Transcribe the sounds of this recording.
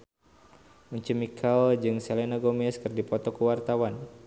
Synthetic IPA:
uɲt͡ʃəmikʰald͡ʒɨŋselenaɡomɛskərdipɔt̪ɔkuwart̪awan

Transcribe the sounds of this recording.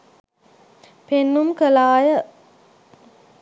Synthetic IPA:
penːumkəlaːjə

